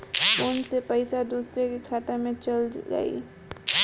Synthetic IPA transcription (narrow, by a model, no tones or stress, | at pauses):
ʊnsepəɪsad̪uːsɾekikʰaːt̪amẽt͡ʃəlɡə̰ḭː